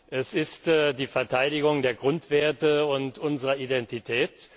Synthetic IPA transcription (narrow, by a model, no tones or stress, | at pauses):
ʔɛsɪstːdiːfɛɐtʰaɪdɪɡʊŋdeːɐɡʁʊntv̥eːɐtəʊntʔʊnzəʁɐidɛntitʰɛːt